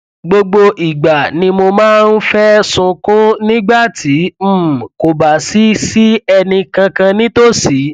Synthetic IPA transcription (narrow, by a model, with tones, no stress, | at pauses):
ɡ͡bo˧ɡ͡bo˧ʔi˨ɡ͡ba˨nĩ˧mo˧mãː˦˧n̩˦fɛ˦sũ˧kũ˦nĩ˦ɡ͡ba˦˨tʰi˨˦m̩˦˨ko˨ba˨si˨˦si˦ɛ˧nĩ˧kã˧kã˧nĩ˦to˦˨si˨˦